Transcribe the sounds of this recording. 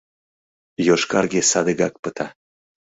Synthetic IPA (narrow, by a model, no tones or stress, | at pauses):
joʃkɑrɡesɑd̪əɡɑk̚pət̪ɑ